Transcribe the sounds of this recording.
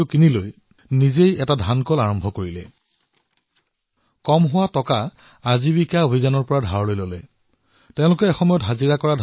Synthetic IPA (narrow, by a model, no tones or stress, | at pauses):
ʊkiniloj | nizejɛtadʱankɔlaɹɔmbʱɔkoɹilɛ | kɔmɦʊwatɔkaː | zibikaobʱizɔnɔɹpɔɹadʱaɹɔlojlolɛ | teʊ̃lʊkɛɛxɔmɔjɔtɦaziɹakɔɹadʱ